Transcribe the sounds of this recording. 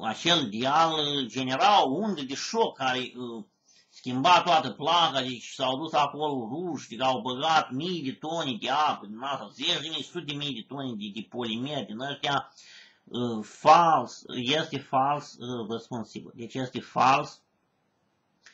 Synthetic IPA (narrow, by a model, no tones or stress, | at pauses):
at͡ʃeld̪iald͡ʒe̞neɾalund̪ed̪eʃokːaɾeə | skʲimbat̪oat̪əplakad̪et͡ʃsawd̪usakoloruʃad̪ikəawbəɡat̪mijd̪et̪oned̪eapəd̪inasazet͡ʃʲd̪ʲemijsut̪ed̪ʲemijd̪et̪onʲd̪ed̪epolʲimerʲd̪inəʃt̪ea | əfalsjest̪efalsresponsibʲḭld̪et͡ʃjest̪efals